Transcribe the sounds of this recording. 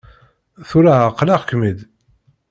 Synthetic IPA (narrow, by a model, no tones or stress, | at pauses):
θuɾaqːlaʁkːmid̪